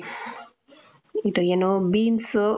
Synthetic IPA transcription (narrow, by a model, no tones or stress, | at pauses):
it̪ojenobinso